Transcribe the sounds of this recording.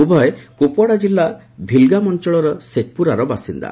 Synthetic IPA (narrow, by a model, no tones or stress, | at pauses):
ubʱɔekopɔɽad͡ʒilːa | bʱilɡamɔnt͡ʃɔɭɔɾɔsek̪̚puɾaɾɔbasind̪a̰